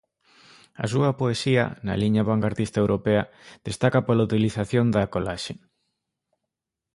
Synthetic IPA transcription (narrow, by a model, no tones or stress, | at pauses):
ɐ̰s̬uɐpoesiɐ̰nɐ̰liɲɐβaŋɡaɾt̪ist̪ɐewɾʔopeɐ | ð̥est̪akapolaut̪iliθaθjond̪akolaʃe